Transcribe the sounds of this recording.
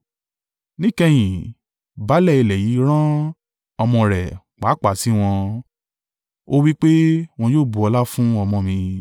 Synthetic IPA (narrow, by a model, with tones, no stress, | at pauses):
nĩ˦˨kɛ˧j̃ĩ˨ | ba˨˦lɛ˦˨i˧˨lɛ˨ji˨˦ɾ̃ã˦ | ɔ˧mɔ̃˧ɾɛ̰˨ | k͡pa˨˦k͡pa˨si˨˦w̃ɔ̃˧ | o˦wi˦k͡pe˦w̃ɔ̃˧joː˦˨bu˨ɔ˧la˦fũ˦ɔ˧mɔ̃˧mĩ˧